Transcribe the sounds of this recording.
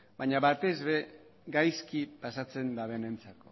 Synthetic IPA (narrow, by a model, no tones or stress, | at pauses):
baɲaβat̪e̞zβe̞ | ɡajskipasat͡se̞nd̪aβe̞nent͡sako